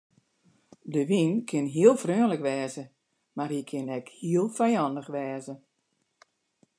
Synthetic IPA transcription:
dəʋinkʰɪnɦiəlˠfrøːnləkʋɛːzə | marhikʰɪnɛkhiəlˠfajɔndəxʋɛːzə

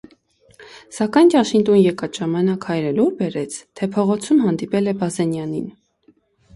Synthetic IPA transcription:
sɑkɑjntɑʃint̪ɔnjɛkɑt̪ʒ̥ɑmɑnɑkhɑjɾəluɾbɛɾɛt͡sʰt̪ʰɛpʰɔʁɔt͡sʰumɦɑnd̪ipɛlɛbɑzɛnjɑnin

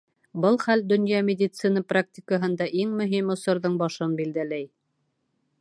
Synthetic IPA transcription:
bɤlˠχæld̪ɵ̆njɑmʲɪdʲɪt̪sɨnəprak̚tʲɪkəɦɤ̆nd̪ɑʔiŋmɵ̆ɦimŏsŏɾðɤɴbɑʃɤnbild̪ælæj

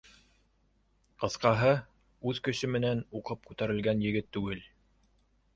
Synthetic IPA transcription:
qɤ̆θqɑɦɤ | ʉðkɵ̆ɕɘmɘ̆nænuqɤp̚kʉt̪æɾɘ̆lɡænjɘ̆ɡɘt̪ːʉɡɘl

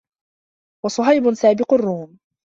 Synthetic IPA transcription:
wɑsˤʊɦajbʊnsaːbɪqʊrːuːm

